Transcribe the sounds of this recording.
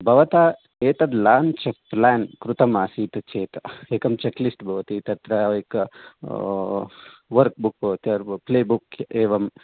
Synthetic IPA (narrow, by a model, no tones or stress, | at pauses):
bʱɐʋɐt̪aː | eːt̪ɐd̪laːnt͡ʃɐplaːnkɾut̪ɐmaːsiːt̪ɐt͡ʃeːt̪ɐ̥eːkɐmt͡ʃɐklisʈbʱɐʋɐt̪it̪ɐt̪ɾɐʋek | ʋɐɾk̚buk̚ːt̪jɐɾpleːbukeːʋɐm